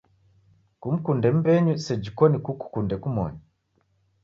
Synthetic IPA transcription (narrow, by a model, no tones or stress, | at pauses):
kum̩kundɛm̩bɛɲusɛd͡ʒikɔnikuku̥kundɛkumɔ̰ɲa